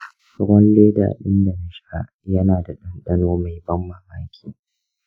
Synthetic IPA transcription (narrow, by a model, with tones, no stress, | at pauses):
sʊ˦ɾɔ˦nleː˦da̰˨ʔa̰˨ɗɪ˦nda˨na˨ʃa˦ | jɐ˦naː˨da˨ɗɪ˦nɗɐ˦noː˦ma˨jbɐ˦mːa˨maː˦kʲʰi̥ː˦˨